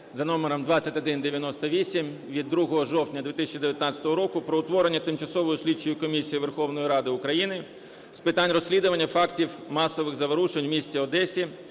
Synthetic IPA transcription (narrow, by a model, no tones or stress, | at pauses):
zɐnɔmeɾɔmd̪ʋɑt͡sʲːɐtʲɐd̪ɪnd̪eʋʲjɐnɔst̪ɔʋʲisʲim | ʋʲid̪ːɾuɦɔɦɔʒɔwt̪ʲnʲɐd̪ʲit̪ɪsʲt͡ʃʲid̪eʋʲjɐt̪nɑtt͡sʲɐ̥t̪ɔɦɔɾɔkʊpɾɔʊt̪ʋɔɾenʲːɐt̪ɪmt͡ʃɐsɔʋɔjʊsʲlʲit͡ʃːʊjʊkɔmʲisʲijiʋerxɔwnɔjiɾɑd̪ɪʊkɾɐjinɪ | spɪt̪anʲrɔsʲlʲid̪ʊʋɐnʲːɐfɑktʲiwmɑsɔʋɪɣzɐʋɔɾuʃenʲmʲisʲt͡sʲiɔd̪ɛsʲi